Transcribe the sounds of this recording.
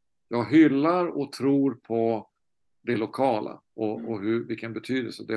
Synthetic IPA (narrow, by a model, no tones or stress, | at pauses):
jɑːɡɦʏlːaɾɔt̪ʰɾuːɾpʰɔ | d̪ɛlʊkʰɑːla̰ʔɔɔɦɵvɪkːənbɛt̪ʰyːd̪əlsəd̪ɛ